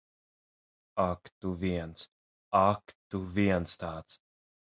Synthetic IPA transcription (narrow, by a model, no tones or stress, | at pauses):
akt̪uviɛnt̪s | akt̪uviɛnt̪st̪aːt̪s